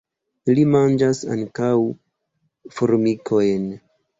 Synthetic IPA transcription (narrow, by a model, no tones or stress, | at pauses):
limand͡ʒasa̰ŋkaw | foɾmikʰojn